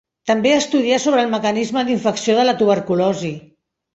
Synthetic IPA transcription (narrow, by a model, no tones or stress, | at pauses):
t̪əmbeast̪uð̞iasoβɾəːlˠməkənizməd̪iɱfəksioð̞ələt̪uβ̞əɾkulɔzi